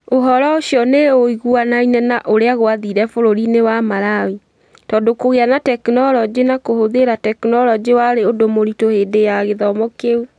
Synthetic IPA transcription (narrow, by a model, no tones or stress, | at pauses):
oɦɔɾɔoɕjɔneoiɣuanainɛnaʔoɾeaɣoaðiɾɛfoɾoɾinewamaɾawi | tɔdokoɣeanatɛknɔɾɔd͡ʒenakohoðeɾatɛknɔɾɔd͡ʒewaɾeodomoɾitohedejaɣeðɔmɔkeu